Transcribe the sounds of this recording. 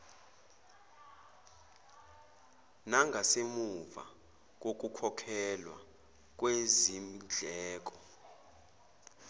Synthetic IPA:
naŋɡʱasemuva̰ | k̬ʼok̬ʼukʰɔkʰɛlwa̰ | k̬ʼwezimid͡ɮʱɛːk̬ʼɔ

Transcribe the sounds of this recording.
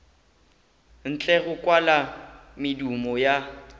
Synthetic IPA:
n̩t͡ɬʼɛɣʊkʼwalamɪdumɔja

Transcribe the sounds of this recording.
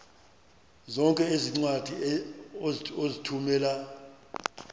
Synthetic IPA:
zɔŋkʼɛeziŋ͡ǀwad̥ʱi | ozitʰumɛːla

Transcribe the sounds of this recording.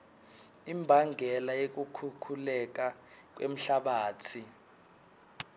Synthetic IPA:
imbʱaŋɡʱɛlajek̬ukʰukʰulɛk̬ak̬ʼwʔḛm̩ɬaɓaːt͡sʰi

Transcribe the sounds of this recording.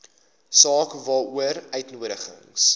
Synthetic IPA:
sɑːkvɑːuəɾœɥtnuəɾəχə̰ŋs

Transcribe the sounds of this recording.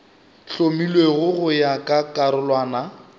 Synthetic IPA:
ɬomilweɣʊɣʊjakʼakʼaɾʊlwaːna

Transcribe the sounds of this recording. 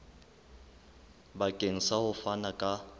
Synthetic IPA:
bakʼeŋ̩sahʊfanakʼa

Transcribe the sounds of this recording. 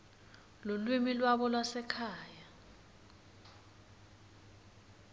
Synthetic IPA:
lolwimilwaɓɔlwasɛkʰaːja

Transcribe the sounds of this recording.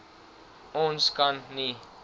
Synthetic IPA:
õnskanːi

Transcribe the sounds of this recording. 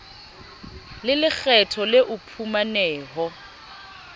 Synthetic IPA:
lɪlɪk͡xʰɛtʰɔlɪʔʊpʰumanɛːɦɔ

